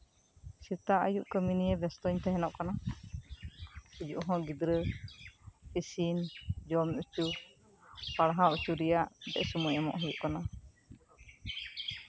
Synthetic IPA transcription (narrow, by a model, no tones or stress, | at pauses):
siɾt̪aʔə̰juʔkəminijɛbɛst̪ɔɲt̪ɛɦɛnɔʔkana | id͡ʒuʔɦɔ̃ɡid̪ɾə | pisind͡ʒɔmut͡ʃu | paɽɦaut͡ʃuɾijaʔd̪ɛ̰ʔsumujɛmɔ̰ʔɦɛjuʔkana